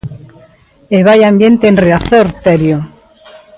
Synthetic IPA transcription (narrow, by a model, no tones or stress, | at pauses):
eβajambjent̪eːnreaθoɾt̪eɾjo